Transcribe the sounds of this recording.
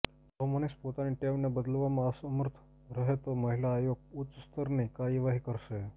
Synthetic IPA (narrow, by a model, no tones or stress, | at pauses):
tɔmonispot̪aniʈemnabəd̪lʋamasəməɾt̪ʰ | ɾəɦet̪oməɦilaːjoɡ̚ut̪əst̪əɾnekaiʋaɦikəɾse